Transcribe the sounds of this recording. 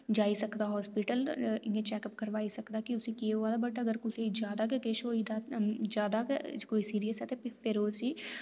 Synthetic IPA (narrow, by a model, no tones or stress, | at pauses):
d͡ʒaːisɐkd̪aɦɔːspiʈəlɪẽt͡ʃɛːkəp̚kəɾʋaːisɐkd̪akiʊsikieɦoaːd̪abəʈaɐɡəɾkʊsed͡ʒjaːd̪akekeːʃoːid̪ad͡ʒjaːd̪akoːisiːɾijəsɦɛːt̪ɛpɪpʰɪɾoːsi